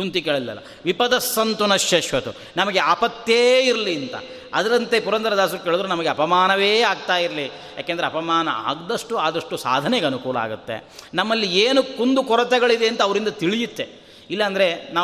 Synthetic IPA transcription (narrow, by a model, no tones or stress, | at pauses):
unt̪ikeːɭɐlilɐ̰lːɐ̰ | ʋipɐd̪ɐsːɐnt̪unɐʃjɐʃʋɐt̪u | nɐmɐɡe̞aːpɐt̪jeːiɾɐliɐnt̪ɐ̰ | ɐd̪ɐɾɐnt̪e̞puɾɐnd̪ɐɾɐd̪aːsuɾukeɭud̪ɾunɐmɐɡeɐpɐmaːnɐʋeːaːɡ̚t̪aːjiɾɐli | ja̰ːkend̪ɐɾeɐpɐmaːnɐ̰a̰ːɡd̪ɐʂʈuaːd̪ɐʂʈusa̰ːd̪ʱɐnɛɡɐnukuːlɐa̰ːɡut̪ːḛnɐmːɐlːieːnukund̪ukɔɾɐt̪ɛɡɐɭid̪eːnt̪ɐːʋɐɾind̪ɐt̪iɭijut̪ːe | ilːɐːnd̪ɐɾe̞naː